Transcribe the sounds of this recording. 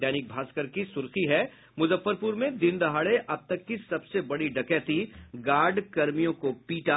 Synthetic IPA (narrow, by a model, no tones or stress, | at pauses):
ɛːnɪk̚bʱaːskəɾkisʊɾxiɦɛ | mʊzəfːəɾpuːɾmẽd̪ɪ̃nd̪ɐɦaːɽeʔɐb̚t̪ɐkːisɐbsebɐɽiɖɐkɛːt̪iɡaːɾɖkɐɾmijõkopiːʈa